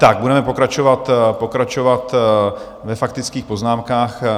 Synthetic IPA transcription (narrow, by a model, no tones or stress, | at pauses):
t̪aɡ̚budɛmɛpo̞kɾat͡ʃovat̪po̞kɾat͡ʃovat̪ | vɛfak̚t̪ɪt͡skiːxpo̞znaːmkaːx